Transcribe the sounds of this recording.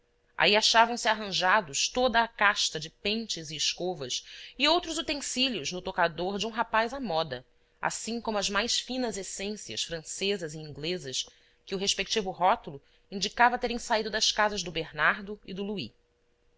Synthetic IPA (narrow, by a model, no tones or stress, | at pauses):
a̰iaʃavɐ̃w̃sɪaɦɐ̃ʒad̪ʊʃt̪od̪ɐːkaʃt̪ɐd͡ʒɪpẽnt͡ʃɪzɪːʃkovɐsɪowt̪ɾʊzut̪ẽsiljʊznʊt̪okad̪oɾd͡ʒɪũɦapajzamɔd̪ɐ | a̰sĩŋkõmʊɐzmajʃfĩnɐzesẽsiɐ̰ʃfɾɐ̃sezɐzɪĩŋɡlezɐʃ | kɪʊɦeʃpek̚t͡ʃivʊɦɔt̪ʊlʊ | ĩnd͡ʒikavɐt̪eɾẽj̃said̪ʊd̪ɐskazɐzd̪ʊbeɾnaɾd̪ʊɪd̪ʊlui